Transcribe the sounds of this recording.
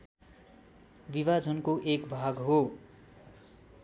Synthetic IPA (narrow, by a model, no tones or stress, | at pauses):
biβad͡zʱʌnkoʔekbʱaɡɦo